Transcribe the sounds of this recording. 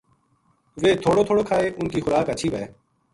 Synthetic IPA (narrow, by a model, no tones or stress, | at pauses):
ʋeːt̪ʰoːɽoːt̪ʰoːɽoːkʰaːeːʔʊnkiːxʊɾaːkət͡ʃʰiːʋəeː